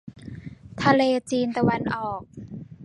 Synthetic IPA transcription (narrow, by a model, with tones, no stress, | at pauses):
t̪ʰa˧leː˧t͡ɕiː˧nt̪a˧wa˧˥nʔɔː˨˩k̚